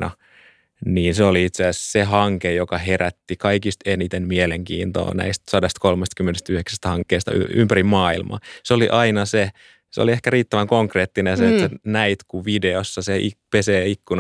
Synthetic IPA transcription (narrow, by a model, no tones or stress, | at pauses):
nɑ̰ | niːnseoliit̪seæssehɑŋkejokɑɦeræt̪ːikɑikist̪enit̪emmieleŋkḭːnt̪o̰ːnæ̰ist̪sɑdest̪kolmest̪kymːenest̪yheksæst̪hɑŋkːeːst̪ɑ̰y̰y̰mpærimmɑːilmɑ̰seoliʔɑinɑse | seo̰liehkæriːt̪ːæʋæŋkoŋkreːt̪ːinenset̪senæit̪kuʋideosːɑseʔipeseːikːun